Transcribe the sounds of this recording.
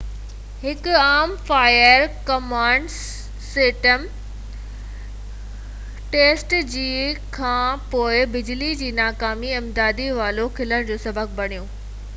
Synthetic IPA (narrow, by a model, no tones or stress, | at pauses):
hɪkʊaːmfaːjəɾkɐmãːɳɖ | seʈəm | ʈeːsʈd͡ʑiːkʰãːpoːɪbɪd͡ʑlid͡ʑiːnaːkaːmiɪmd̪aːd̪iʋaːlokʰɪləɽ̃d͡ʑoːsɐbʱək̚bɐɽ̃ijõː